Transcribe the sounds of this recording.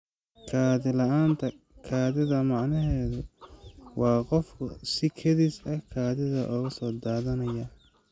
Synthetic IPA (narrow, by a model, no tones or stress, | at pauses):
kʰaːðɪlɐʔaːnt̪ʰɐ | kʰaːðɪðɐmɑʕnɐɦɛːðʊ | wɑːqɔfkʰʊsɪkʰɐðisɐkʰaːðɪðɐʔɔːɣɐsɔːd̪aːðɐnɐjɐ